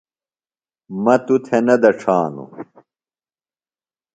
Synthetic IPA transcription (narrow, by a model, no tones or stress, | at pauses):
mɐt̪ut̪ʰenɐd̪ɐʈ͡ʂʰaːnṵ